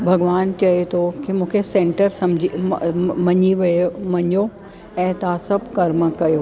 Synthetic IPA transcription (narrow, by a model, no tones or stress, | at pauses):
bʱɐɡʋaːnt͡ɕɐet̪ʰokimũːkʰesẽːɳʈəɾsɐmd͡ʑimɐɲiʋɐmɐɲjo | ɛ̃ːt̪asɐbʱkɐɾməkɐjo